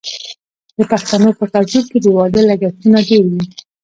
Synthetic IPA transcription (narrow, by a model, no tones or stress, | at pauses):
d̪̥əpaxt̪anopət̪ad͡ʒub̚ked̪əwɑd̪əlaɡat̪unaɖeɾwi